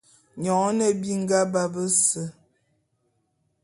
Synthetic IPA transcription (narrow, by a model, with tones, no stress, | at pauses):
ɲɔ˨˦nə˦bi˦ŋ˦ɡa˦ba˦bə˦sə˦˨